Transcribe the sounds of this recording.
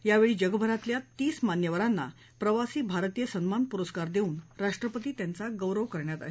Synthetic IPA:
jaʋeɭiːd͡ʑəɡəbʱəɾat̪ljat̪iːsmanjəʋəɾanːa̰ | pɾəʋasiːbʱaɾt̪ijəsənmanpuɾəskaɾd̪euːnɾaʂʈɾəpət̪iːt̪jant͡saɡəwɾəʋkəɾɳjat̪a̰ɦe

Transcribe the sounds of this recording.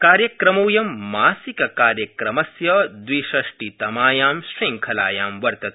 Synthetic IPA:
kaːɾjɐkɾɐmoːjɐmːaːsikɐkaːɾjɐkɾɐmɐsjɐd̪ʋiːʃɐʂʈit̪ɐmaːjaːmʃɾiŋkʰɐlaːjaːmʋɐɾt̪ɐt̪

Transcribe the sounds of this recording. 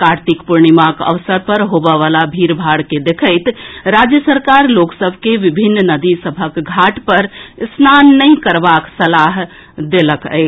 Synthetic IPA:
kaɾt̪ikpuɾɳimakə̰ʋsəɾpəɾɦobəʋalabʱiɾbʱaɽked̪ekʰəɪt̪ɾad͡ʒjəsəɾkaɾloksəbʱkeʋibʱinːnəd̪isəbʱəkɡʱaʈpəɾsnanːəɪ̃kəɾbaksəlaɦ | d̪eləkə̰ɪ

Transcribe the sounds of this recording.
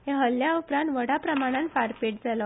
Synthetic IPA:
ɦẽɦəlːjaupɾãnt̪ʋəɽapɾəmaɽ̃ãnfaɾpeʈ̚d͡zalɔ

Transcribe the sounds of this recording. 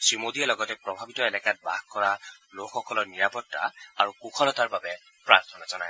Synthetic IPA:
sɹimodiɛlɔɡɔtɛpɹɔbʱabitɔelɛkat̚ba̰xkɔɹalokʰːɔkɔlɔɹniɹapɔtːa̰aɹukukʰɔlɔtaɹbabɛ | pɹaɹt̪ʰɔnazɔnaj

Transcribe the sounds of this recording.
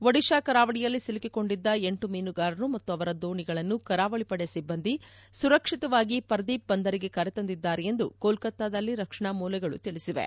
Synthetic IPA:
ʋɐɽiʃaːkɐɾaːʋɐɽijɐlːisilikiko̞ɳɖid̪ːɐe̞ɳʈumiːnuɡaːɾɐnumɐt̪ːuɐʋɐɾɐd̪oːɳiɡɐɭɐnːukɐɾaːʋɐɭipɐɽejɐsibːɐnd̪isuɾɐkʂit̪ɐʋaːɡipɐɾɐd̪iːp̚bɐnd̪ɐɾiɡe̞kɐɾɛt̪ɐnd̪id̪ːaːɾeje̞nd̪ukoːlkɐt̪ːaːd̪ɐlːiɾɐkʂɐɳamuːlɐɡɐɭṵt̪iɭisiʋḛ

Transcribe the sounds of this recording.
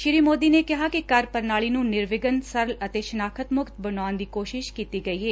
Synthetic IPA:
ʃɪɾiːmoːd̪iːneːkɪɦaːkikəɾpəɾnaːɭiːnũːnɪɾʋɪɡənsəɾələt̪eːʃənaːkʰət̪mʊkt̪̚bənaːnd̪iːkoːʃɪʃkiːt̪iːɡəiːɦeː

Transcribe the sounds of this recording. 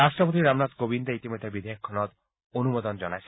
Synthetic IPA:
asʈɾɔpot̪̬iɾamnad̪kobind̪eit̪imod̪ʱːebid̪ʱejkʰːɔnɔt̪ | onumod̪ɔnd͡ʒɔnajsʰ

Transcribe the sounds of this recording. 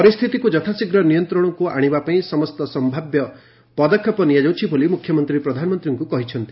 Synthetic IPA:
pɔɾist̪ʰit̪ikud͡ʒɔt̪ʰasiɡɾɔnijɔnt̪ɾɔɽ̃ɔkua̰ɽ̃ibapaĩsɔmɔst̪ɔsɔmbʱabjɔ | pɔd̪ɔkʰːjɔpɔnijad͡ʒawt͡ʃʰibʱolimukʰːjɔmɔnt̪ɾipɾɔd̪ʱanɔmɔnt̪ɾiŋkukɔɦit͡ʃʰɔnt̪i̥

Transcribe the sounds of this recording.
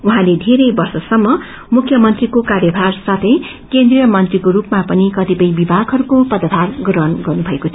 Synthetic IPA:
uɦãled̪ʱeɾʌjbʌrsʌsʌmːʌ | mukʰːjʌmʌnt̪rikokarjʌbʱarsat̪ʰʌj | kend̪rijʌmʌnt̪rikoɾupmapʌnikʌt̪ipʌjbibʱaɡʱɦʌɾukopʌd̪ʌt̪ʰarɡrʌnɡʌrnubʱʌekot͡sʰ

